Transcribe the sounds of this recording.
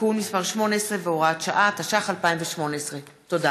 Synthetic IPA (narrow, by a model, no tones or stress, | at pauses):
ulmispaʁʃmo̞neesʁeveoʁat̪ʃaʔataʃaχalpaimveʃmo̞neesʁe | to̞da